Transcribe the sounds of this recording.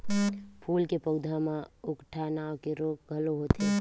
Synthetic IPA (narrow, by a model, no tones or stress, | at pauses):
pʰuːlkepəʊd̪ʱamãʊkʈʰanaːwkeɾoːk̚ɡʱəloɦoːt̪eː